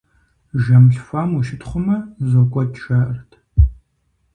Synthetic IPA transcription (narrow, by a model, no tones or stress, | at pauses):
ʒɐmɬfaːmuʃɪtʰχʷʊmɐzokʷʼɔdʃɐʔrtʰ